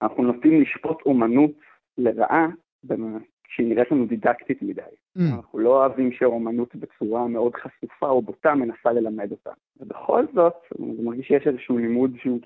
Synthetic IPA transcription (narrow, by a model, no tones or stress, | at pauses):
anaχnunotimliʃpo̞tʰo̞manut | le̞ʁa̰ʔa | bem | ʃeiniʁetlanudidaktitmidaj | anaχnulo̞avimʃeo̞manutbe̞t͡suʁameo̞dχasufaobotame̞nasale̞lame̞do̞ta̰mvebeχo̞̰lzo̞tzmaʁɡiʃjeʃezɛʃuulimudʃeu